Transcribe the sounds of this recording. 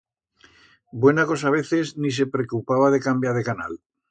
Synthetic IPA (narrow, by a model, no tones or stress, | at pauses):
bwe̞nako̞saβ̞e̞θe̞znis̬e̞pɾekupaβaðe̞kambjaɾðekana̰l